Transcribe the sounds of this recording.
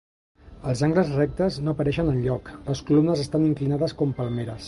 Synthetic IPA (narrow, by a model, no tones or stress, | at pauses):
əlˠzaŋɡləzrɛk̚t̪əznoəpəɾɛʃənənʎɔkləskulumnəzəst̪aniŋklinaðəskɔmpəlˠmeɾəs